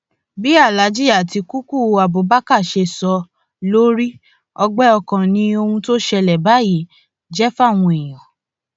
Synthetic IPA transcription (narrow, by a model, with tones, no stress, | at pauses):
bi˦a˦˨la˨˦d͡ʒi˦a˦˨ti˧ku˦ku˦˨a˨bo˨˦ba˦ka˦˨ʃe˧sɔ˧ | lo˦ɾi˦ | ɔ˧ɡ͡bɛ˦ɔ˧kã˨nĩ˧˦o˧hũ˧to˦ʃɛ˧lɛ˨ba˨˦ji˨˦ | d͡ʒɛ˦fa˦˨w̃ũ˧e˨j̃ã˨